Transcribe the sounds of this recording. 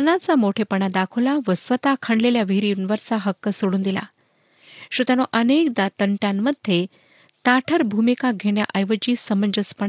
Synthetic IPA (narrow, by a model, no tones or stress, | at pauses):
ənat͡samoʈʰepəɳad̪akʰulaʋəsʋət̪akʰəɳɖleljaʋiɾiunʋəɾt͡saɦəkːəsoɽuːnd̪ila̰ | ɕut̪anoʔənek̚d̪at̪əɳʈjãmːəd̪ʱje | t̪aʈʰəɾbʱumikaɡʱeɳja̰ʔajʋət͡ɕiːsəməɲd͡ʑəspəɳa